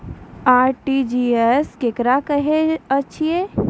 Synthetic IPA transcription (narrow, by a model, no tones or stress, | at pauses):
aːɾʈid͡ʒieskekɾakəɦeət͡ʃʰie